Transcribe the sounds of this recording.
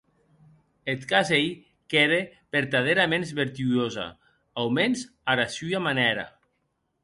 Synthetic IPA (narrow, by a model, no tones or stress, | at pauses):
et̪kazej | keðepeɾt̪að̞eɾamenzβeɾt̪yoza̰ | awmenz | aɾasuamanɛɾa̰